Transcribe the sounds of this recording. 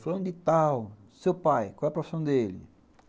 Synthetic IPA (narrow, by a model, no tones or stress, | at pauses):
fɐ̃nd̪ɪt̪awsewpajkʷwawɛɐpɾofi̥sɐ̃w̃d̪elɪ̰